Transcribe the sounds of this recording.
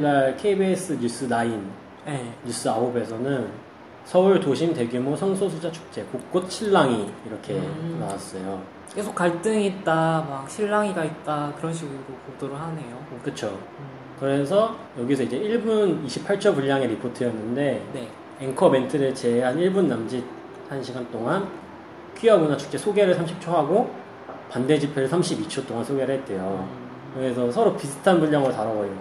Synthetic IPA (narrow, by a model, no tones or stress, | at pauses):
naɭkʰeibies͈ɯɲjus͈ɯnain | eːus͈ɯaɦobe̞sʰʌnɯn | sʰʌuɭtoɕʰimte̞ɡjumosʰʌŋsʰosʰud͡ʑat͡ɕʰu̥k̚t͡ɕ͈e̞kuk̚k͈ot̚ɕʰiɭːaŋiːɾʌkʰe̞nawas͈ʌjo | ke̞sʰok͈ːaɭt͈ɯŋit̚t͈amak̚ɕʰiɭːaŋiɡait̚t͈akɯɾʌnɕ̬ʰiɡɯɾoɾokodoɾɯɭɦane̞jokɯt͡ɕʰo | kɯɾe̞sʰʌjʌɡisʰʌid͡ʑe̞iɭbuniɕʰipʰaɭt͡ɕʰopuʎːaŋeɾipʰotʰɯjʌnːɯnde̞ne | eŋkʰʌme̞ntʰɯɾɯɭt͡ɕe̞ɦaniɭbunːamd͡ʑi | hanɕʰiɡant͈oŋan | kʰiaɡonat͡ɕʰu̥k̚t͡ɕ͈esʰoɡe̞ɾɯɭsʰamɕʰip̚t͡ɕʰoɦaɡo | pande̞d͡ʑipʰeɾɯɭsʰamɕʰibit͡ɕʰot͈oŋansʰoɡe̞ɾɯɭɦet̚t͈we̞jo | kɯɡesʰʌsʰʌɾopisʰɯ̥tʰanbuʎːʌŋɯɾotaɾabʌɾi